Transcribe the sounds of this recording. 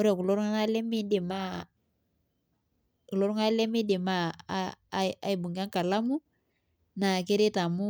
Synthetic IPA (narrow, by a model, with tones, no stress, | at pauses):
ɔ˦ɾa˨ku˨lo˦ɾŋa˦na˦lɛ˦mi˦di˨ma˦ | ku˨lɔ˦ɾu˦ŋa˦lɛ˦mi˦di˨ma˦ | a̰˨i˨bu˨ŋɡa˦ŋka˨la˦mu˦ | na˨ke˦ɾi˦ta˨mu˦